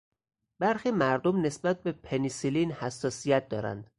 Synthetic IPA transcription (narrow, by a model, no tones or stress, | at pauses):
b̥æɾxiːmæɾd̪omne̞sbæt̪̚be̞pʰenisiliːnhæsːɒːsijæt̪̚ʰd̪ɒːɾæ̰nd̪̥